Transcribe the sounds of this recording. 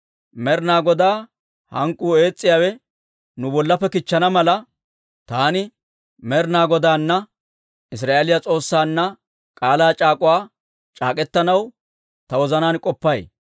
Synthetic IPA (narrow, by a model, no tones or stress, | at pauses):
mɛɾnaːɡɔd̪aː | hɐ̰ŋkʼːuːe̞ːt͡sʼːɪjaːwɛ | nʊbɔlːɐpːɛkɪt͡ʃːɐnɐmɐlɐ | t̪aːnɪ | mɛɾnaːɡɔd̪aːnːɐ | ɪs̬ɾaːʔeːlɪjɐt͡sʼo̞ːsːaːnːɐ | kʼaːlaːt͡ʃʼaːkʼʊwaː | t͡ʃʼaːkʼɛt̪ːɐnɐw | t̪ɐwɔzɐnaːnkʼɔpːɐj